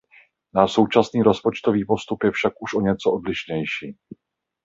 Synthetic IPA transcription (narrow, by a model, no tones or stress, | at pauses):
naːʃso̞wt͡ʃasniːɾo̞spo̞t͡ʃt̪o̞viːpo̞st̪upjɛfʃakʔuʃʔo̞ɲɛt͡soʔodlɪʃɲɛjʃiː